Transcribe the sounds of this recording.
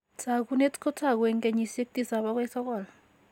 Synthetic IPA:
t͡sa˨k̬u˦ne˦tʼkʰɔ˦tʰa˦˨k̬wɛ˨˦ŋkʼe˨ɲi˦˨se˦k̚tʼi˦sa˨ɓa˦k̬ɛ˦sɔ˦kɔː˨la

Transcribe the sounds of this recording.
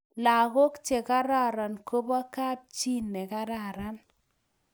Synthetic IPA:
la˨ɣo˦kt͡ʃe˨ka˦ɾa˦˨ɾa˨nko˦bɔ˦ka˦p̚t͡ʃi˦nːɛ˨ka˦ɾa˦˨ɾa˦n

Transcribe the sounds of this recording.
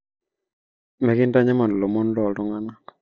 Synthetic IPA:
mɛ˨kɪ˦nta˦ɲɛ˦mɔ˨ndlo˨mo˦n˦lɔ˦˨tɔ˦ŋa˦na˦

